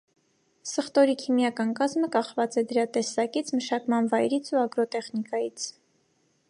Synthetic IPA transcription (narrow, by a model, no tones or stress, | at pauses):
səχt̪ɔɾikʰimjɑkɑnkɑzməkɑχvɑt͡sɛd̪əɾɑt̪ɛsɑkit͡sʰməʃɑkmɑnvɑjɾit͡sʰuɑɡɾɔt̪ɛχnikɑjit͡sʰ